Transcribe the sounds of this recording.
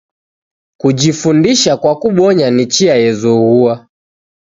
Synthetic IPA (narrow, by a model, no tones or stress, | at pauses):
kud͡ʒifundiʃakwakuɓɔɲanit͡ʃiajɛzɔɣua